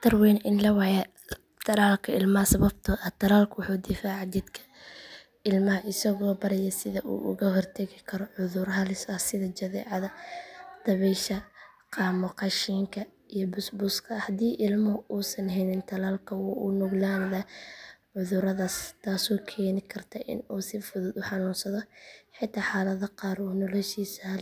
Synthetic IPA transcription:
t̪ʰɐrwɛːnʔɪnlɐwɑjɐ | t̪ʰɐlaːlkʰɐɪlmɐhɐsɐβɐb̚t̪ʰʊʔɐt̪ʰɐlaːlkʰʊwʊħuːd̪ɪfaːʕɑd̪ɪd̪kʰɐ̥ | ɪlmɐɦɐʔɪsɐɣɔːbɐɾɛjɐsɪðɐʔṵːʔʊ̰ɣɐɦɔrt̪ʰɐɣɪkʰɐɾɔʕʊðʊrɦɐlɪsɐsɪðɐd͡ʒɐðɛ̰ːʕɑðɐd̪̥ɐβɛʃɐ | qɑːmʊqɑʃiːŋkʰɐ | ijɔbʊsbʊskʰɐhɐd̪iːʔɪlmɐʔuːsɐnɦɛnɪnt̪ʰɐlaːlkʰɐwːʔʊ̰nʊɡlaːnðɐʕʊðʊɾɐðaːst̪ʰaːsɔːkʰɛːnɪkʰɐrt̪ʰɐʔɪ̰nuːsɪfʊðʊːd̪ʊħɑnuːnsɐðɔħɪt̪ʰːaːħaːlɐðɐqɑːɾɔːnɔlɔʃiːsɐh

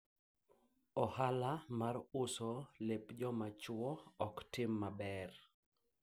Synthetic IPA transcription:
ɔhalamarʊsɔlepd͡ʒɔmat͡ʃʊɔɔktɪmːabɛr

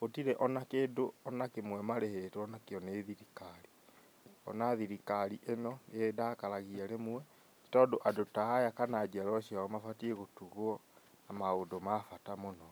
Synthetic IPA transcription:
otiɾɛʔɔnakeːdoɔnakemwɛmaɾehetwɔnakeɔneðiɾikaɾi | ɔ̰naðiɾikaɾiʔenɔnedakaɾaɣiaɾemwɛ | i̥tɔːdoʔadotaajakanad͡ʒɛɾɔɕiaɔmafatiɛɣotuɣoɔ | namaondomafatamonɔ

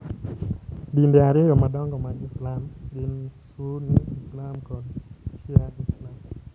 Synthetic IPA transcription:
dindeaɾɪejɔmadɔŋɡɔmaɡɪslamɡɪnsuniislamkɔnt͡ʃɪaislam

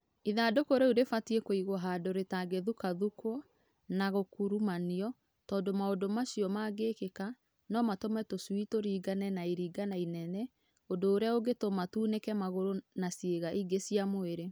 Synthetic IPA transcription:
iðaːdokoɾeuɾefatiekoiɣwɔɦadoɾetaɡeðukaðukwɔ | naɣokuɾumaniɔ | tɔːndomaodomaɕijɔmaɡekeka | nɔmatomɛtoswitoɾiːɡanɛnaiɾiːɡanainɛnɛ | odoːɾeaoɡetomatuːnekɛmaɣoɾonasjeɣaʔiɡesijamoeɾe

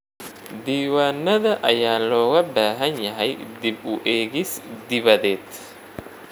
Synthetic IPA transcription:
d̪iːwaːnːɐðɐʔɐjaːlɔːɣɐbaːɦɐnjɐɦɛjd̪ɪbʊʔɛːɣɪsd̪ɪβɐðɛːd̪

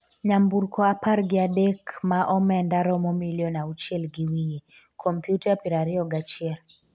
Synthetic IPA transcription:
ɲambuɾkʰɔapaɾɡiadɛkmaʔɔmɛndaɾɔmɔmiljɔnaut͡ʃɛlɡiwiji | kʰɔmpjutapiɾaɾiɔɡat͡ʃɛl

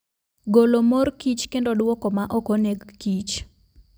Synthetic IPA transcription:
ɡolomorkit͡ʃkendodwɔkomaʔɔkoneɡːit͡ʃ

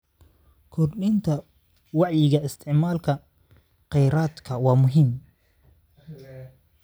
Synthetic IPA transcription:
kʰɔrɗɪnt̪ʰɐ | wɑʕjɪɣɐɪst̪ʰɪʕmaːlkʰɐ | qɛjɾaːd̪kʰɐwaːmʊɦɪm

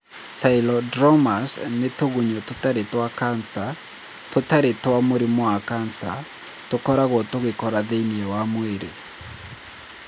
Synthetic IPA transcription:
sailɔdɾɔmasnetoɣuɲototaɾetwakansa | totaɾetwamoɾemɔakansa | tokɔɾaɣɔtoɣekɔɾaðeiniɛwamweɾḛ

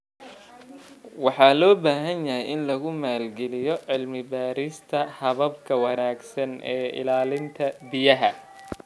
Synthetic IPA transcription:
wɑħɑːlɔːbaːɦɐnjɐɦɛjɪnlɐɣʊmaːlɡɛlɪjɔʕɪlmɪbaːɾɪst̪ʰɐhɐβɐbkʰɐwɑnaːɡsɐnʔɛːɪ̰laːlɪnt̪ʰɐbɪjɐɦɐ

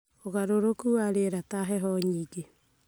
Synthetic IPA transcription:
oɣaɾoɾokuaɾeɾataɦɛɦɔɲiːɡe

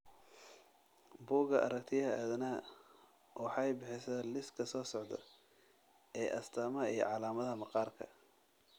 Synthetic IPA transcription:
buːɡɐʔɐ̰ɾɐkt̪ʰɪjɐɦɐaːðɐnɐ | wɑħɑɛjbɪħɪsɐlɪskʰɐsɔːsɔʕd̪ɐ̰ | ʔɛːʔɐst̪ʰaːmɐijɔ̰ʕɑlaːmɐðɐɦɐmɑqɑːrkʰɐ̰

